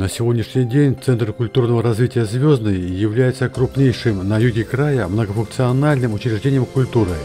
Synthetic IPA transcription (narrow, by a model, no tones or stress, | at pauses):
nəsʲɪvʲo̞dʲnʲɪʂnʲɪjdʲenʲt̪sɛnt̪rkʊlʲt̪urnəvəɾɐzvʲitʲɪjəzvʲoznɨjjɪvlʲæjɪt̪səkɾʊpnʲejʂɨmnɐjuɡʲɪkɾajəmnəɡəfʊnk̪̚sɨɐnalʲnɨmʊt͡ɕɾʲɪʐdʲenʲɪjəmkʊlʲt̪uɾɨ